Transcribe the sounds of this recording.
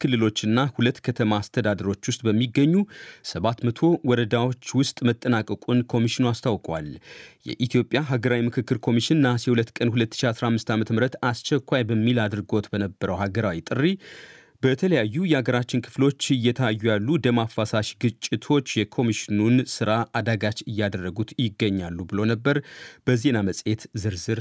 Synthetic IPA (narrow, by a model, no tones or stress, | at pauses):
kʰɨlːɨlo̞t͡ʃːɨnːahulət̪ːkʰət̪ʰəmaːst̪ʰəd̪ad̪əɾo̞t͡ʃːwʊst̪ʼbəmːiɡːəɲːusəβat̪mət̪ʰo̞wɔɾəd̪awo̞t͡ʃːwʊst̪ʼmət̪ʼːənakʼəkʼunkʰo̞miʃɪnuast̪ʰawkʼwa̰ljɛ̰ʔit̪ʰjo̞pʼjaɦaɡəɾawimɨkʰɨkːɨɾkʰo̞miʃɪnːasɛhulət̪ːkʼənhulət̪ːɨʃiasɾahmːɨst̪amət̪ʰəmɨɾət̪ast͡ʃɛkʷːajbəmːilad̪ɾɨɡo̞t̪bənəbːəɾəwhaɡəɾawit̪ʼɨrːi | bət̪ʰələjajːujɛhaɡəɾat͡ʃːɪnkʰɨ̥flo̞t͡ʃːɨjːɛt̪ʰəjajːujalːud̪əmafːasaʃɡɨt͡ʃʼːɪt̪ʰo̞t͡ʃːjɛkʰo̞miʃɪnunsɨɾaʔad̪aɡat͡ʃɨjːad̪ərːəɡut̪jɪɡːəɲːalːubɨlo̞nəbːəɾb̥əze̞naməsʼe̞t̪zɨɾzɨɾ